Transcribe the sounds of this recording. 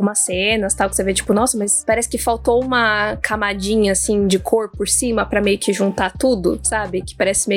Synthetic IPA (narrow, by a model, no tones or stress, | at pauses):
ũmɐsẽnɐst̪awkɪ̥sevet͡ʃi̥pʊnɔsɐmɐspaɾɛsɪ̥kɪfawt̪oũmɐkʰamad͡ʒĩɲɐasĩd͡ʒɪkʰoɾpʊɾsĩmɐpɾɐmejʊkɪʒũnt̪at̪ud̪ʊsabɪkɪpaɾɛsɪmej